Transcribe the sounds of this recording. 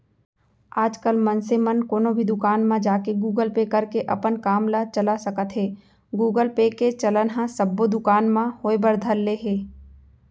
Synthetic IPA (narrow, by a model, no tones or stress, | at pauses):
aːd͡ʒkəlmənsemənkoːnõbʱid̪ʊkaːnmãd͡ʒaːkeɡuːɡəlpekəɾkeʔɐpənkaːmlat͡ʃəlasəkət̪ɦɛː | ɡuːɡəlpeket͡ʃɐlənɦãsəbːod̪ʊkaːnmãhoːebəɾd̪ʱəlːeɦeː